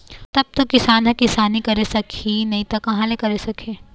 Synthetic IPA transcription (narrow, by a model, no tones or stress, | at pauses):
t̪ɐb̚t̪okɪsaːnɦɐ̃kɪsaːnikɐɾesɐkʰinɐɦĩt̪ɐkɐɦãlekɐɾesɐkʰeː